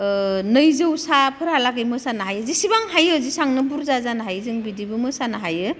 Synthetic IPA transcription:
nɯjzɯwsapʰɯɾhalaɡɯjmɯsanaɦajɯzisibaŋɦajɯːzisaŋnɯbuɾzazanɦajzɯŋbidibɯmɯsanaɦajɯ

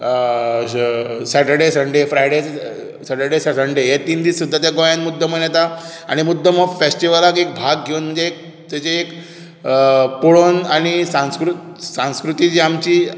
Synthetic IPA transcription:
sɛʈəɾɖesəɳɖefɾajɽe | sɛʈəɾɖesasəɳɖeɦet̪iːnd̪iːsud̪ʱːat̪jaɡojanmud̪ʱːəmənjɛt̪a | a̰ɽ̃imud̪ʱːəmɔfesʈiʋalakek̚bʱaɡɡʱeunm̤əɳnd͡zeːk̚ | t̪jat͡ɕeːk | poɭonaɽ̃isãñskɾu | sãnskɾut̪iːd͡ʑiamt͡ɕiː

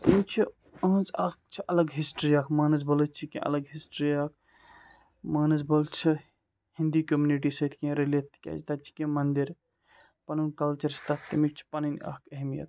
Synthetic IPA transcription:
t̪imit͡ʃʰi | ɐ̃ːzɐk̚t͡ʃʰiʔɐlɐɡɦisʈɾiaːkʰmaːnɐzbɐlɨt͡ʃʰikḭ̃ʔɐ̰ləɡɦisʈɾijaːk̚ʰ | maːnɐzbɐlt͡ʃʰi | hĩnd̪ikomjuniʈ̬isɐt̪ʰkĩɾelet̪ːkʲa̰ːzt̪aːt͡ʃʰi̥kẽmɐnd̪iɾ | pɐnənkɐlt͡ʃɐɾst̪akt̪imik̚t͡ʃʰi̥pɐninɐ̰kɐɦmijɐ̰t̪

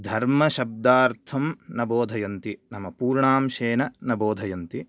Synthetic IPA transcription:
d̪ʱɐɾmɐʃɐb̚d̪aːɾt̪ʰɐmnɐboːd̪ʱɐjɐnt̪inɐmɐpuːɾɳaːmʃeːnɐnɐboːd̪ʱɐjɐnt̪i

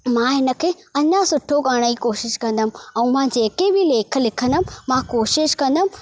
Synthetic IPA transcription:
mãːɦɪnə̆kʰeː | ɐɲasʊʈʰokaːɽ̃əikoːʃɪʃkɐ̃nd̪əm̆ɛ̃ːmãd͡ʑeːkebɪleːkʰə̆lɪkʰə̃nd̪əmmãkoːʃɪʃkɐ̃nd̪əm̃̆

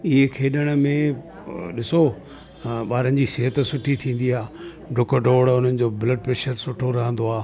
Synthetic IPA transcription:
ɪɦekʰeːɗəɽ̃əmẽ | ɗɪso | ɓaːɾənɪ̆d͡ʑisɪɦət̪sʊʈʰit̪ʰĩːn̆d̪iaː | ɖʱʊkɖʱoːɽʊn̤ənɪ̆d͡ʑoːbɪləɖ̚pɾeːʃəɾsʊʈʰoɾɐɦə̃nd̪oaː

